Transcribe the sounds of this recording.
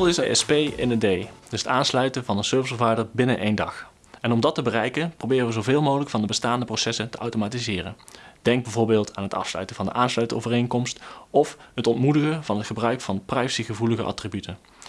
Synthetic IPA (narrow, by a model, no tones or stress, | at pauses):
lˠɪsəɛspejɪ̰ndədejd̥ɵsətaːnslœɥtənvɑnənsøːɹvɪsəvaːdəɹbɪnənʔejndɑ̰x | ɛnɔmdɑtəbərɛjkənprowbɪːrəʋəzowvɪːlˠmowɣələkfɑndəbəstaːndəprosɛsəntəʔawtomaːtizɪːrənd̥ɛŋɡ̚bɛvoːɹbɪːlˠtʰaːnɦətɑ̰fslœ̰ɥtənvɑndə̰ʔaːnslœɥtəo̰wvərejŋkɔmstɔfɦətɔntmudəɣənvɑnɦətχəbrœɥkfɑnəprajsiɣəvuləɣəʔɑ̰tribytən